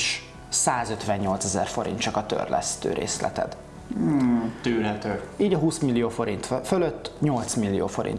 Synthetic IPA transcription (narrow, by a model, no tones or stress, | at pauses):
ʃ | saːzø̞t̪ʋɛɲːo̞lt̪sɛzɛ̰rfo̞ɾḭnt͡ʃɒkɒt̪ø̰rlʔɛ̰st̪ø̰ːɾḛːslɛ̰t̪ɛ̰d̪̩ | t̪yːrɦɛt̪øːiːɟɒɦuːsmilːijoːfo̞ɾint̪føløt̪ːɲo̞lt̪smilːijoːfo̞ɾḭn